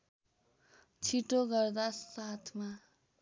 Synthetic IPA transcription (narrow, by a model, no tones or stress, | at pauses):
t͡sʰiʈoɡʌrd̪asat̪ʰma